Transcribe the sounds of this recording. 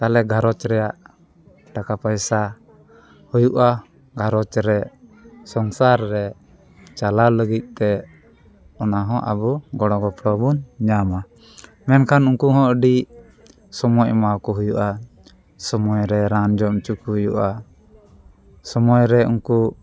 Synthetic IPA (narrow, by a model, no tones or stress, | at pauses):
t̪alɛɡʱaɾɔt͡ʃɾɛjaʔ | ʈakapajsa | hujuʔa | ɡʱaɾɔt͡ʃɾɛsɔŋsaɾːɛ | t͡ʃalaləɡit̪̚ˀt̪ɛ | ɔnaɦɔ̃ʔa̰bɔɡɔɽɔ̃ɡɔpɾɔbunɲama | mɛnkʰanuŋkuɦɔ̃ʔəɖi | sɔmɔcmawkɔɦujuʔa | sɔmɔjɾɛɾand͡ʒɔmt͡ʃukuɦujuʔa | sɔmɔjɾɛuŋku